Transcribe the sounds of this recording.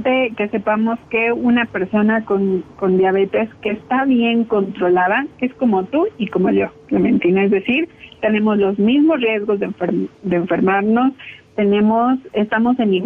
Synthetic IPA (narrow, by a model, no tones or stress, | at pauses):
t̪eke̞sepamo̞ske̞unape̞ɾso̞nako̞nko̞nd̪jaβ̞e̞t̪e̞ske̞st̪aβje̞ŋko̞nt̪ɾo̞lað̞akeesko̞mo̞t̪uiko̞mo̞ʎo̞klemẽ̞̰nt̪inaezðe̞siɾt̪e̞ne̞mo̞zlo̞zmizmo̞srje̞zɣo̞zðeɱfeɾd̪eːɱfe̞ɾmaɾno̞st̪e̞nẽ̞mo̞sest̪amo̞se̞ni